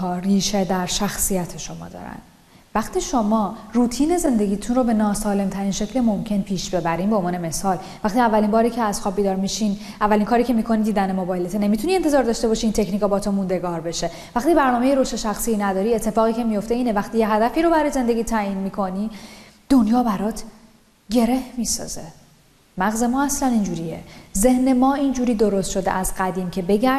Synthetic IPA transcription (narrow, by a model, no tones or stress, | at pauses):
ɒːriːʃed̪æɾʃæxsijæt̪ʰeʃo̞mɒ̰ːd̪ɒ̰ɾæ̰nd̪̥ | væxt̪iːʃo̞mɒːruːt̪ʰiːne̞ze̞nd̪e̞ɟʲiːt̪ʰunrobe̞nɒːsɒːle̞mt̪ʰæɾiːnʃe̞cʰlemo̞mcʰe̞npʰiːʃb̥e̞bæɾiːmbeonvɒːnemesɒːl | væxt̪iævːælinbɒːɾiːcʰeæz̥xɒːbiːd̪ɒːɾmiʃin | ʔævːæliŋkʰɒːɾiːcʰe̞miːkʰo̞nid̪iːd̪ænemobɒjelet̪ʰene̞mit̪ʰunient̪ʰezɒːɾd̪ɒːʃt̪e̞bɒːʃiiːnt̪ʰe̞cniːkɒbɒːt̪ʰomund̪e̞ɡɒːɾbe̞ʃe̞ | væxt̪ibæɾnɒːme̞jeɾoʃt̪eʃæxsiːnæd̪ɒːɾie̞t̪ʰːe̞fɒːɣiːcʰe̞mijo̞ft̪e̞iːnevæxt̪iːjeɦæd̪æfiːɾo̞bæɾɒːjeze̞nd̪e̞ɟiːt̪ʰæiːnmiːkʰo̞nid̪̥o̞njɒːbæɾɒːt̪ʰ | ɟe̞ɾe̞hmiːsɒ̰ːz̥e̞ | mæɣze̞mɒːæslænind͡ʒuːɾiḛze̞hne̞mɒːind͡ʒuːɾiːd̪o̞ɾost̪ʃo̞d̪ḛʔæzɢæd̪iːmcʰe̞be̞ɟæ